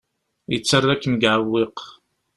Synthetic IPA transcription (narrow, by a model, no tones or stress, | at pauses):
it͡sʰːɐrːɐkʰmɡʕawːiq